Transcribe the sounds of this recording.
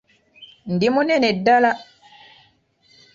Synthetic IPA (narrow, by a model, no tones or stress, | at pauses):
ndimunɛnɛdala